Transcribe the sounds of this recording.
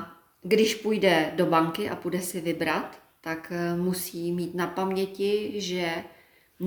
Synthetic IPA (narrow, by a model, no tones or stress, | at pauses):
ɡdɪʃpujdɛdo̞baŋkɪʔa̰pudɛsɪvɪbɾat̪ː | akmusiːmiːt̪napamɲɛcɪʒɛ | n